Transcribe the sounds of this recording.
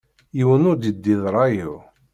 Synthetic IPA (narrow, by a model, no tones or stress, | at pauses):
jiwənʊɾd̪id̪ːiðɾˤɑji